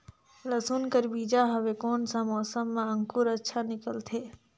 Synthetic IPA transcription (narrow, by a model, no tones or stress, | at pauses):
ləsuːnkəɾbiːd͡ʒaɦəʋekoːnsãmɔːsəmːãə̃ŋkuɾətːʃʰanɪkəlt̪ʰeː